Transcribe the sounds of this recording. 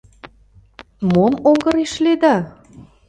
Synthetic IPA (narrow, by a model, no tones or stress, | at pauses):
momoŋɡə̆ɾeʃled̪ɑ